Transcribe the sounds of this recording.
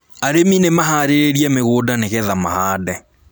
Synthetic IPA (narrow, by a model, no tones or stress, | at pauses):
aɾeminemaɦaːɾeɾeɾiɛmeɣoːdaneɣɛðama̰haːdɛ